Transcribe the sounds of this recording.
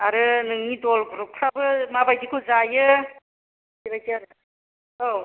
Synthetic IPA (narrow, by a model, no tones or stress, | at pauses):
aɾɯnɯŋnidɔlɡɯɾupʰɾabɯmabajdikʰuzajɯ | tibajtiaɾɯ | o